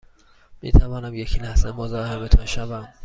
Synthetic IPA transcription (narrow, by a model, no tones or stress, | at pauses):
mḭːt̪ʰævɒːnæmjecʰinæsemozɒːhemet̪ʰʊnʃævæm